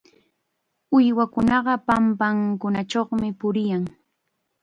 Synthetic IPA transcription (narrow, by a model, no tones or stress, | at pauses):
ʊjwakʊnɑɢɑpampaŋkʊnat͡ʃoχmɪpʊɾɪjaŋ